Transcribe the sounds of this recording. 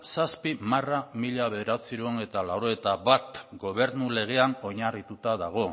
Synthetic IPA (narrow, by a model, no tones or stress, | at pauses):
saspimaramiʎaβe̞ðeɾasiɾuone̞t̪alawɾoet̪aβat̪ɡo̞β̞e̞ɾnule̞ɣ̞e̞ano̞ɲarit̪ut̪aðaɣ̞o̞